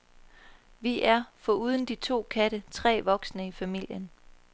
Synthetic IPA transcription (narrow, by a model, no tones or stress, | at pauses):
ʋiʔæɐfɒ̽uːð̞ˠən̩d̥it͡sʰo̝̰ːkʰæɾ̥ət͡sʰʁɛ̰ːʋɒ̽ɡ̥snəifæmil̰jən